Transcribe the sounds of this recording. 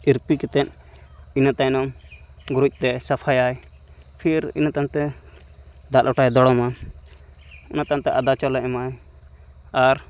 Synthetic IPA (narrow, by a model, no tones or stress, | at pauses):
iɾpikɛt̪ɛn | inat̪ajnɔm | ɡuɾuc̚ˀt̪ɛsapʰajaj | pʰiɾḭnat̪ant̪ɛ | d̪aʔlɔʈajd̪ɔɽɔma | unat̪ant̪ɛʔad̪at͡ʃɔlɛʔmaj | aɾ